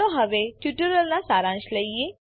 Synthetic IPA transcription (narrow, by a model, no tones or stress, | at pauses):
õɦəʋeʈjuʈəɾəlnasaːɾãːʃləie